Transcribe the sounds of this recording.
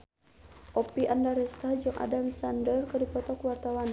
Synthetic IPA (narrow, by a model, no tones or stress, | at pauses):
ʔɔpiʔandaɾɛst̪ad͡ʒɨŋʔa̰damisandərkədipɔt̪ɔkwart̪awan